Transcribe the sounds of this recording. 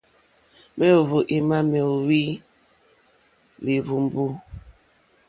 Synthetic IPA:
mɛ˦o˨vo˨ʔi˦ma˦mɛ˨wi˦ | li˨βu˨m˨bu˦

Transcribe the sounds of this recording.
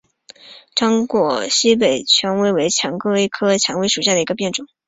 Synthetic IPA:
ʈ͡ʂɑ˥ŋkwɔ˨˩ɕi˥p̬e˨˩ɪt͡ɕʰɥɛ˧˥nwe˧˥˩ɪwe˧˥ɪt͡ɕʰjɑ˧˥ŋkɤ˥e˥˩ɪkʰɤ˥t͡ɕʰjɑ˧˥ŋwe˧˥ɪʂu˨˩ɕja˥˩d̪ə˩i˧˥ɡə˧p̬jɛ˥˩nʈ͡ʂʊ˨˩˦

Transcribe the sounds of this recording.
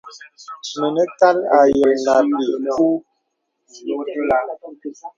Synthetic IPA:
mə˨nə˦ka˦la˨jə˨lna˨pi˨ʔu˦˨

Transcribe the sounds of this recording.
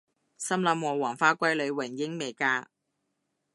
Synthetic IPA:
sɐ˥mlɐ˨˥mwɔː˨˩wɔː˨˩ŋfaː˧kʷɐ˥jlɵ˨˧ɥwɪ˨˩ŋjɪ˧˥ŋme˨jkaː˧

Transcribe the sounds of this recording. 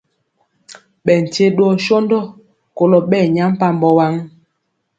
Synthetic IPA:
ɓɛ˨n̩˨te˦ɗwɔ˦˨ʃo˦ndɔ˦˨ | ko˨lɔ˨ɓɛ˦˨ɲa˦m̩˦pa˦m˨bɔ˨wa˦ŋ

